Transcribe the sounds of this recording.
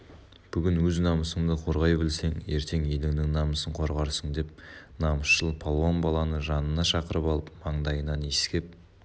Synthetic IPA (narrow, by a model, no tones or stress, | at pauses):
b̥ʏɡʲɪnwɵznɑməsəɴd̪əqʰo̞ɾʁɑjbɪlse̞ŋe̞ɾt̪ʰe̞ŋelɪŋnɪŋnɑməsəɴqʰo̞ɾʁɑɾsəɴd̪e̞p̚nɑməsʃəlˠpʰolˠwonbɑlˠɑnəʒɑnənɑʃɑqəɾəpɑlˠəp̚mɑɴd̪ɑjənɑneskʲe̞p̚